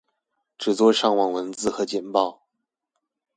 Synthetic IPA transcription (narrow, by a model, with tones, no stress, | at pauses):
ʈ͡ʂɻ̩˨˩t͡swɔ˥˧ʂɑ˥˧ŋwɑ˥˩ŋwə˧˥nt͡sɹ̩˥˧xɤ˧˥t͡ɕjɛ˨˩npɑ˥˩ʊ